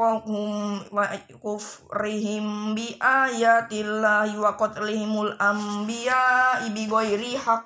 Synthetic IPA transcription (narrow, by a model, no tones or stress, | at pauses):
ɔhumwa | kufriɦimbiʔajat̪ilːahiwakɔt̪lihimulambiaibiɡɔiɾiha